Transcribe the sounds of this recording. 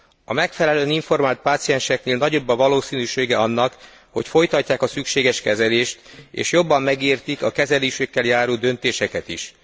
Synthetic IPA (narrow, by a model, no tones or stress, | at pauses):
ɒmɛkfɛlɛløːniɱfo̞rmaːlt̪̚paːt̪sijɛnʃɛkneːlnɒɟo̞bːɒvɒloːsiːnyːʃeːɡɛɒnːɒk | ho̞̰cfo̞jt̪ɒcːaːkɒsykʃeːɡɛʃkɛzɛleːʃt̪ḛːʃjo̞bːɒmːɛɡiːrt̪ikɒkɛzɛliːʃykːɛljaːɾoːd̪ø̞nt̪eːʃɛkɛt̪iʃ